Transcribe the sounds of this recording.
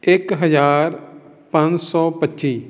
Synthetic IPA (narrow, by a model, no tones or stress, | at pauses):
ɪkɦəzaːɾ | pãɲd͡ʒsɔːpətːʃiː